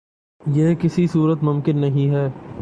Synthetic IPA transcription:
jeːkɪsisuːɾət̪mʊ̃mkɪnːɐɦĩɦɛː

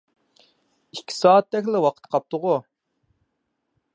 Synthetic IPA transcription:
ikʲʰːi̥sɑːt̪̚d̪ɛkʲlɪwɑqʰə̥t̪qʰɑp̚t̪ʰʊʁʊ

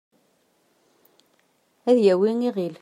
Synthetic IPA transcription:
æðjæwiŋiʁil

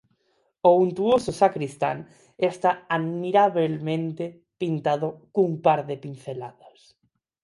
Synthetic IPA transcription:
ount̪uosʊsakɾist̪a̰ŋ | est̪aaðmiɾaβelmẽnt̪e | pint̪aðʊkumpaɾðepin̟θelaðas

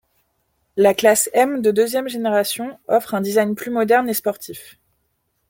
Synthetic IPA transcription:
laklasɛmd̪əd̪øzjɛmʒeneʁasjɔ̃ɔfχɛ̃d̪izajnplymɔd̪ɛʁnespɔʁt̪ʰif

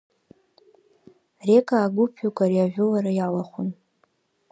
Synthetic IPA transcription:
re̞kʼaːɡʷʊpʰukʷʼarjaʒᶣʷʊlaɾajalaχʷʊn

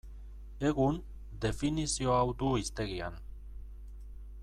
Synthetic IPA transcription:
e̞ɣun | d̪e̞finisio̞awd̪uist̪e̞ɣia̰n

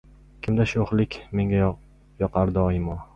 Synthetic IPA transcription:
kʲʰɪmd̪aʃoχlɪkʲme̞ŋɡʲa | jɒqʰaɾd̪ɒjɪmɒ

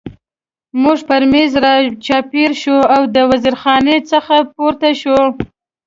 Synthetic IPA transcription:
muʐpaɾmezɾɑt͡ʃɑpeɾʃoawd̪əwaziɾxɑnet͡səxapoɾt̪aʃo

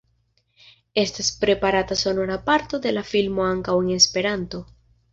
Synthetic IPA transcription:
e̞st̪aspɾe̞paɾat̪aso̞noɾapaɾt̪o̞d̪e̞lafilmo̞aŋkaweŋe̞spe̞ɾant̪o̞

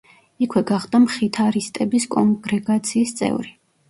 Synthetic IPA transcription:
ikʰwɛɡaχd̪amχit̪ʰaɾist̪ʼɛbiskʼɔŋɡɾɛɡat̪sʰiːst̪sʼɛ̰vɾi

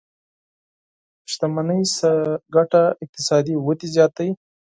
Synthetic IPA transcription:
ʃt̪amanəjsaɡaʈaɪk̚t̪ɪsɑd̪iwət̪izjɑt̪aj

